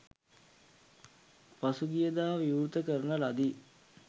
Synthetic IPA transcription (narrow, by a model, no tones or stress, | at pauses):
pasuɡijəd̪aːʋiuɾt̪əkəɾənəlad̪i